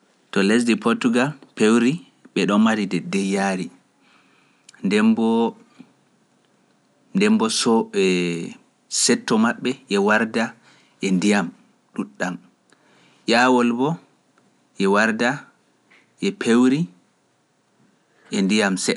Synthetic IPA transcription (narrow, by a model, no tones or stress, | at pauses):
tɔlesdipʰoɾtuɡalpewɾi | ɓɛɗɔnmaɾidɛdɛjaɾi | ndɛmbɔ | ndɛmbɔsɔɛ | sɛtːɔmaɓːɛʔɛwaɾda | ʔɛndijam | ɗuɗːam | ʔaːwɔlbɔ | ʔɛwaɾda | ʔɛpʰewɾi | ʔɛndijamsɛ